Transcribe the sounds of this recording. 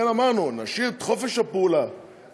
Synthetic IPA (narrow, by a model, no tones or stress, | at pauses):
enamaʁnunaʃit̪χofeʃapuːla